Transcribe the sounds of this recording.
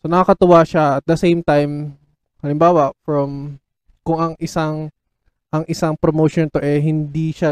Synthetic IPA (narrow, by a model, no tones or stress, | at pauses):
so̞nɐkakɐt̪ʊwaʃaʔɐt̪̚d̪ɐsejmt̪ajm | hɐlɪmbaːwɐʔfɹɐm | kʊŋɐŋʔɪsaŋ | ʔɐŋʔɪsaŋpɾomoːʃont̪o̞ʔɛɦɪnd̪iʃa